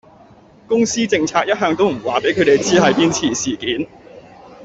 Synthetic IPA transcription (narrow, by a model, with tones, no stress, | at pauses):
kʊ˥ŋsiː˥t͡sɪ˧ŋt͡sʰaː˧k̚jɐ˥t̚ɦœː˧ŋt̪o˥wm̩˨˩waː˨pe˨˥jkʰɵ˨˧t̪e˨jt͡siː˥ɦɐ˨˧jpiː˥nt͡sʰiː˨˩siː˨˩kiː˨˥n